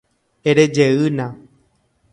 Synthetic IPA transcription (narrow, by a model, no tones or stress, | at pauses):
eɾed͡ʒeɨnã